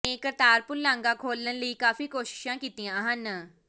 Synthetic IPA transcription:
ẽːkəɾt̪aːɾpʊɾlãːŋɡãːkʰoːlənləiːkaːfiːkoːʃɪ̥ʃãːkiːt̪ijãːɦən

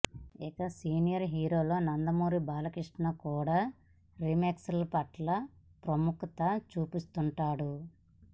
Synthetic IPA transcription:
ikɐsiːnijɐɾɦiːɾo̞ːlo̞ːnɐnd̪ɐmuːɾibaːlɐkɾiʂʈɳakuːɽaː | ɾimeːksɐlpɐʈlɐpɾɐmukɐt̪ɐt͡ʃuːpist̪uɳʈaːɽu

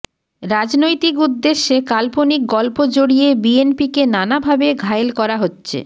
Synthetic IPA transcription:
ɾad͡ʑnojt̪ikud̪ːeʃːekalponik̚ɡɔlpod͡ʑoɽiebienpikenanabʱabeɡʱaelkɔɾaɦotːɕʰḛ

